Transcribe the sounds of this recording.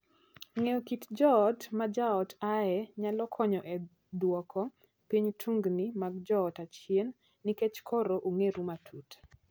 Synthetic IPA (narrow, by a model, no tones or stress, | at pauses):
ŋeokitd͡ʒɔːtmad͡ʒaɔtaɛɲalɔkʰɔɲɔʔɛ | dwɔkʰɔ | piɲtʰuŋɡnimaɡ̚d͡ʒɔːtat͡ʃenː | iket͡ʃkʰɔɾoʔoŋeɾumatʰut